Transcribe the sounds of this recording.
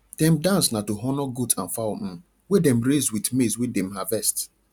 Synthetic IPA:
d̥ɛ̃mdãnsnatoɦɔnɔɡudãnfaʊm̩ | wedɛ̃mɹezdwitmeswedɛ̃mhavɛst

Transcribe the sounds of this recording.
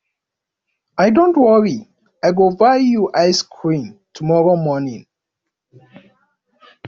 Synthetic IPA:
ajdõntwɔɹi | ajɡovajjuʔajskʰɹĩntʰumɔɹomɔnĩŋ

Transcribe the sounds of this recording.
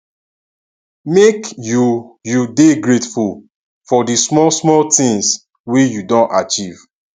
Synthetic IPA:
mekjujudeɡɹetful | fɔdismɔlsmɔltĩŋs | wijudõntat͡ʃiv

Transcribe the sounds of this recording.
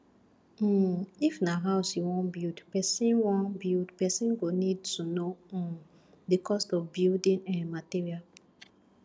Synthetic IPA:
ifnaɦaʊsjiwɔ̃nbildpɛsĩnwɔ̃nbildpɛsĩnɡonid̚tunõ | dikʰɔstɔfbildĩnɛ̃nmatiɹial

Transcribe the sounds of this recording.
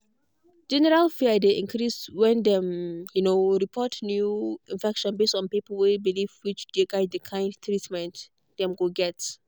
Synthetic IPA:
d͡ʒɛnɛɹalfiadeʔĩnkʰɹiswɛ̃ndɛmjunoɹipʰɔtnjuĩnfɛkʃɔ̃nbestɔ̃npipəlwebilivwit͡ʃdeɡaɪdəkʰãɪ̃ndtʰɹitmɛ̃nt | d̥ɛ̃mɡoɡɛt

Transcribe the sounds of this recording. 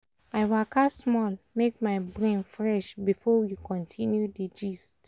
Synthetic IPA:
aɪwakʰasmɔlmek̚maɪbɹẽnfɹɛʃbifɔjukʰɔ̃ntʰĩnjudid͡ʒist

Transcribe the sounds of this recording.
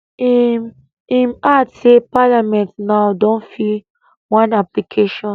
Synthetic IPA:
i | imatsepalamɛ̃ntnaʊdõnfi | wãnaplikʰeʃɔ̃

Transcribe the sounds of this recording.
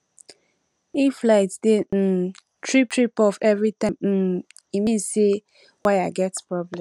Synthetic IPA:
iflaɪtden̩ | tʰɹip̚tʰɹipɔfɛvɹitãmn̩ | imĩse | waɪaɡɛtpɹɔblɛ̃

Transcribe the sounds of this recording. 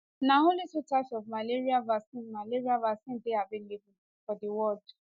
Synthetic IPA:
nãolitutat͡ʃɔvmaleɾiavasĩnmaleɾiavasĩndeabɪ̃lebũfɔdiwɔd

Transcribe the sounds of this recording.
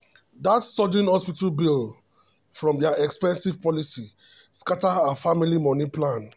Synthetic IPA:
datsɔd͡ʒĩnhɔspitalbil | fɹɔ̃mdaʔɛkspɛ̃nsivpɔlisi | skataafamilimɔnĩplãn

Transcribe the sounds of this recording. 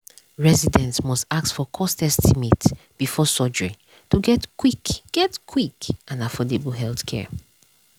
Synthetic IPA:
ɹɛzidɛ̃ntmɔstak̚tfɔkʰɔstɛstʰimitb̥ifɔsɔd͡ʒɹi | tuɡɛtkwikɡ̥ɛtkʰwikʔãnafɔdeblɦɛlˠθkʰɛ̰

